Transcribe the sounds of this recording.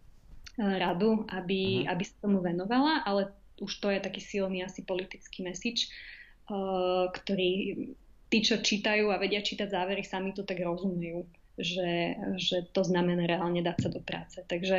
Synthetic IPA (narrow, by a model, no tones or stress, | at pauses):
ɾad̪uʔabiabisḁt̪ɔmuʋɛnɔʋalaʔalɛ | uʃt̪ɔjɛt̪akiːsilniːasipɔlit̪it͡skiːmɛsiːt͡ʃː | kt̪ɔɾiː | t̪iːt͡ʃɔt͡ʃiːt̪ajuːaʋɛɟɪat͡ʃiːt̪aɟzaːʋɛɾisamit̪ut̪aɡɾɔzumɛjuː | ʒɛʒɛt̪ɔznamɛnaɾɛalɲɛd̪aːcsad̪ɔpɾa̰ːt͡sɛt̪aɡʒɛ